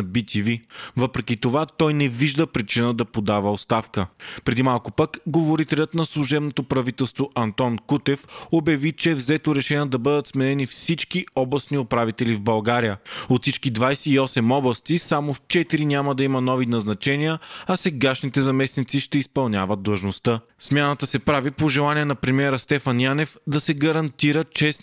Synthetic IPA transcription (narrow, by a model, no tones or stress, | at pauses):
bit̪ʰivivɤpɾɛkʲit̪ovat̪ɔjnɛviʒd̪əpɾit͡ʃinəd̪ɐpod̪avəot̪st̪afkəpɾɛd̪imalˠkopəkɡovoɾit̪ɛlʲət̪nɐslˠuʒɛbnot̪opɾɐvit̪ɛlˠst̪voʔɐnt̪ɔnkut̪ɛfobjɐvit͡ʃɛɛvzɛt̪oɾɛʃɛnʲiəd̪ɐbɤd̪ət̪smɛnɛnifsit͡ʃkiɔblˠɐsniopɾavit̪ɛlivbɐlˠɡaɾijəot̪sit͡ʃkid̪vajsɛiɔsɛmɔblˠɐst̪isamoft͡ʃɛt̪iɾinʲamɐd̪ɐimɐnɔvinɐznɐt͡ʃɛnijəɐsɛɡaʃnit̪ɛzɐmɛsnit̪siʃt̪ɛispɐlˠnʲja̰vət̪̚d̪lˠɐʒnost̪ə | smʲjanət̪əsɛpɾavipoʒɛlˠaniɛnɐpɾɛmiɛɾəst̪ɛfɐnjanɛfd̪ɐsɛɡɐɾɐnt̪iɾət͡ʃɛs